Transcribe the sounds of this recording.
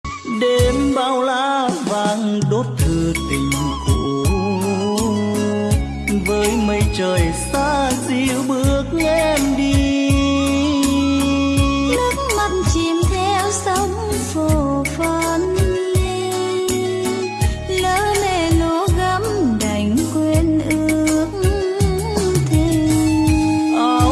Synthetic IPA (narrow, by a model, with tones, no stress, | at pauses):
ɗe˨˦mɓaː˧˩wla̰ː˧˥˦vaː˧˩ŋɗo˦˥t̚t̪ʰɨ˨˧˩ət̪ï˨˩ŋ̟ʔṵ˧˩˧ | vəː˨˦jmə˨˧˦jt͡ɕəː˨˩jsaː˧˥zi˧wɓɨ˦˥ək̚ŋɛ˧mɗi˧ | lɨ˦˥k̚ma˨˧˩nt͡ɕi˨˧˩mt̪ʰɛ˧wsə˨˦wŋ͡m | fo˧˨˩fə˧˩nli˧ | ləː˨˦ne˧˩no˧˦ɣə˨˦˥mɗa˨˩jŋ̟kwɛ˧nʔɨ˧˦˧əək̚ | t̪ʰi˧˩˧